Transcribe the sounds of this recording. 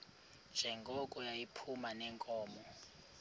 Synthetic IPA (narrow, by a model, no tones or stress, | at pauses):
d͡ʒ̥ʱɛŋɡʱɔkʼɔjajipʰumanɛŋkʼɔːmɔ